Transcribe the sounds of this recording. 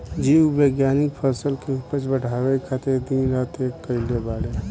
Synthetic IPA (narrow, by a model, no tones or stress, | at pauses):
d͡ʒiubeɡjaːnɪk̚pʰəsəlkeupət͡ʃbəʈaːʋekʰat̪ed̪inɾaːt̪ekːəɪlebaːɽe